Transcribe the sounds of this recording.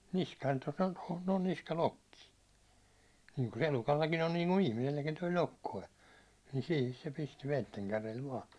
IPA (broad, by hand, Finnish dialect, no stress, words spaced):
niskɑːn tos on tohon noːn niskɑlokːi niːŋku se elukɑlːɑkin on niːŋku ihmiselːækin toi lokːoi ni siːhis se pisti ʋeitːeŋkærel ʋɑː